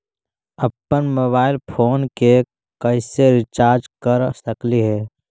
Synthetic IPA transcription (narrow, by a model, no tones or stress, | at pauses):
əpːənmoːbaːɪlpʰoːnke | kɐɪseɾɪt͡ʃaːɾd͡ʒkəɾsəkliɦɛː